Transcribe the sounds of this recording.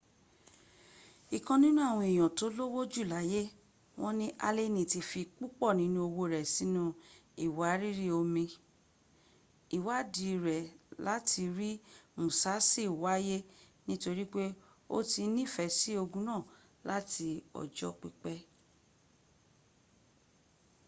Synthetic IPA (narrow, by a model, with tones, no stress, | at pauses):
i˨kã˧nĩ˦nũ˦a˦˨w̃ɔ̃˧i˨j̃ɔ̃˨to˨˦lo˦wo˦d͡ʒu˦˨la˨˦je˦ | w̃ɔ̃˦nĩ˦ʔa˧le˦nĩ˨ti˧fi˧k͡pu˦k͡pɔ˦˨nĩ˨˦nũ˦o˧wo˧˨ɾɛ˨sĩ˨˦nũ˦i˨wa˨˦ɾi˦ɾi˦o˧mĩ˧ | i˨wa˨˦di˨˧˨ɾɛ˨la˦tʰi˧ɾi˦mũ˨sa˨˦si˦˨wa˨˦je˦nĩ˦to˧ɾi˦k͡pe˦ | o̰˦ti˧˦nĩ˦˨fɛ˨˦si˦o˧ɡũ˧˦nã˦˨ | la˦tʰi˧ɔ̰˨d͡ʒɔ̰˨˦k͡pi˧k͡pɛ˦